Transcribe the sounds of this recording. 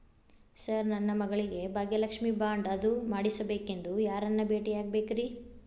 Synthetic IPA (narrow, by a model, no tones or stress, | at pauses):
sɐɾnɐnːɐmɐɡɐɭiɡe̞bʱaːɡjɐlɐkʂmiːbaːɳɖɐd̪umaːɽisɐbe̞ːke̞nd̪ujaːɾɐnːɐbe̞ːʈijaːɡ̚be̞ːkɾi